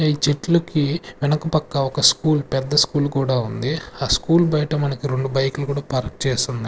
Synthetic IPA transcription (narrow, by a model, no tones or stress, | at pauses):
iːt͡ʃeʈlɐkiʋɛnɐkɐpɐkːɐɔkɐskuːlpɛd̪ːɐskuːlkuːɽaːund̪iaːskuːlbɐjʈɐmɐnɐkiɾe̞ɳɖubɐjkulukuːɽaːpɐɾk̚t͡ʃeːst̪und̪ɐ